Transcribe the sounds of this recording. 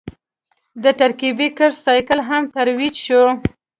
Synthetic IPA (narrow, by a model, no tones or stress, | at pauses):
d̪əʈ̪aɾkibikəʃsɑjkəlɦamt̪aɾwid͡ʒʃu